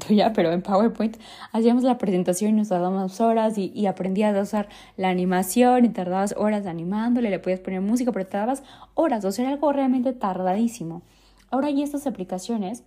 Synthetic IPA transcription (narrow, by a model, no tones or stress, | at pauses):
t̪uʝape̞ɾoempaɣweɾpojnt̪ | as̬iamo̞zlapɾe̞se̞nt̪asjo̞ninost̪aɾðaamoso̞ɾasiʔːapɾe̞nd̪iazausaɾ | laːnĩmasjo̞nit̪aɾðaβaso̞ɾas̬anĩmãnd̪o̞lelepoðiaspo̞ne̞ɾmus̬ikape̞ɾot̪aɾðaβaso̞ɾasoseeɾaalɣo̞realmẽnt̪e̞t̪aɾðaðisimo̞ | ao̞ɾaʝie̞st̪asaplikasjo̞ne̞s